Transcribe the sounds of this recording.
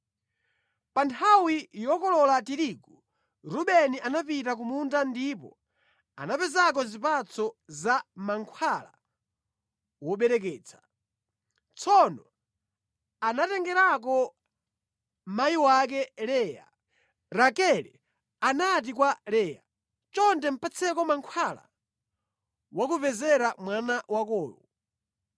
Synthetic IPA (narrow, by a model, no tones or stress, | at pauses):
pantʰawijɔkɔlɔlatiɾiku | ɾuɓɛniʔanapitak̬umuntandipɔ | a̰napɛzak̬ɔzipat͡sɔzamaŋkʰwala̰ | wɔɓɛɾɛk̬ɛːt͡sʰḁ | t͡sʰɔnɔ | anatɛŋɡɛɾak̬ɔ | m̩majiwak̬ɛlɛːja̰ | ɾakɛlɛ̰ | anat̬ikwalɛːja̰ | t͡ʃɔntɛm̩pat͡sʰɛkɔmaŋkʰwala̰ | wakuvɛzɛɾamwanawakɔːjɔ